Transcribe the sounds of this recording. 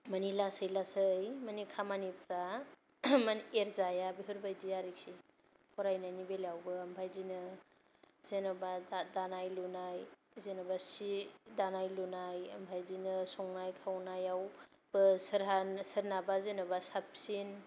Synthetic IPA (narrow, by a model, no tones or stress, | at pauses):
manilasəjlasɯjmanikʰamanipʰɾa | maneɾzajabiɦɯɾbajdiaɾik̚si | kʰɔɾajnanibelawbɯɐmbʰʱajzinɯ | z̥enabadanajlunaj | zenabasidanajlunajɐmbʰʱajzinɯsɔŋnajkʰawnajaw | b̥ɯsɯɾɦansɯɾnabazenabasap̚sin